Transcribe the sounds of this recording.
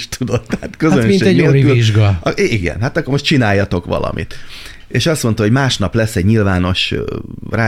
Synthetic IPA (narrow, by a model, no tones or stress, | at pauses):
ʃt̪ud̪o̞t̪ːɛat̪køzønminɛɛolyliʒɡɒɒiɡɛ̰nɦat̪ɒkːormo̞ʃtt͡ʃinaːjːɒt̪o̞kʋɒ̰lɒ̰mʔḭt̪ | eːʃɒst̪mont̪ɒɦo̞ɟmaːʃnɒplɛsːɛɟɲilvaːno̞ʃ | raː